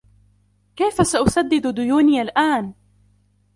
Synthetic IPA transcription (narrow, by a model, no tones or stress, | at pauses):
kajfasaʔʊsad̪ːɪd̪d̪ʊjuːnɪjalʔaːn